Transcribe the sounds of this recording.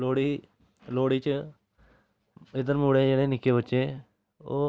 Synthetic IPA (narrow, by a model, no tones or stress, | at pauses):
loːɽi | loːɽiːt͡ʃə | ɪd̪əɾmuːɽed͡ʒeːɽenɪkebətːʃeː | oː